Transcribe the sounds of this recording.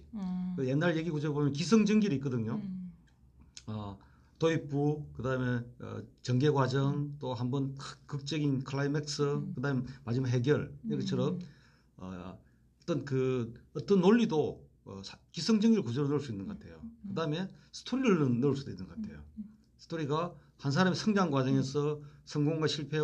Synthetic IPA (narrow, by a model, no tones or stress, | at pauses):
kjenːaɾɭjeɡiɡod͡ʑʰʌɾbomjʌnkis̬ʰʌŋd͡ʑʌŋɡiɾitk͈ʌdɯɲo | ʌ | toip͈ukɯdameʌ̰t͡ɕʌŋɡe̞ɡwad͡ʑʌŋt͈oɦambʌnkʰkɯk̚t͡ɕ͈ʌɡinkʰɯɭaimek̚s͈ʰɯkɯdamemad͡ʑimaɦe̞ɡjʌɭiɡet͡ɕʰʌɾʌm | ʌ̰ | ʌt͈ʌnkɯʌt͈ʌnːoʎːido̰ | skisʰʌŋd͡ʑʌŋiɾɯɭkusʰoɾonɯɭs͈uinːɯnɡʌkatʰe̞̰jokɯdame̞sʰɯ̥tʰoɾiɾɯɭnɯnɯɭs̬ud̥oinːɯnɡʌkatʰe̞̰jo̰ | sʰɯ̥tʰoɾiɡa | hans̬ʰaɾamisʰʌŋd͡ʑaŋɡwad͡ʑʌŋe̞sʰʌsʰʌŋɡoŋɡwaɕʰiɭpʰe̞